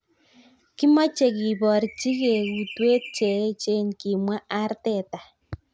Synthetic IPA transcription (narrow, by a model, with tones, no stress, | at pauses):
ki˦ma˦t͡ʃe˨ɣi˨βɔ˨ɾi˨t͡ʃi˦ɣe˨ɣu˨twe˦t͡ʃe˨˦t͡ʃe˦nki˨mwa˦ʔa˦ɾte˦˨ta˨